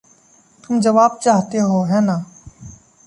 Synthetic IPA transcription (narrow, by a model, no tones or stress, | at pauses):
t̪ʊmd͡ʒəʋaːb̚t͡ʃaːɦt̪eɦoːɦɛːnaː